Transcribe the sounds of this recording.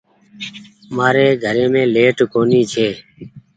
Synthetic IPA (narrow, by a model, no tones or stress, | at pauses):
maːɾeːɡʱəɾeːmẽːleːʈkoːniːt͡ʃʰeː